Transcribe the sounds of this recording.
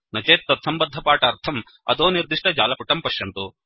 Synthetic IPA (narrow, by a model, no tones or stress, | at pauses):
nɐt͡ʃeːt̪ːɐt̪sʰɐmbɐd̪ʱːɐpaːʈɐːɾt̪ʰɐm | ɐ̰d̪oːniɾd̪iʂʈɐd͡ʒaːlɐpuʈɐmpɐʂjɐnt̪u